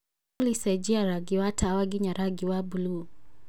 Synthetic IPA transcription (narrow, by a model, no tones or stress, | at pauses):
lisɛd͡ʒiaɾaɡiwatʰawaɡiɲaɾaɡiwabulu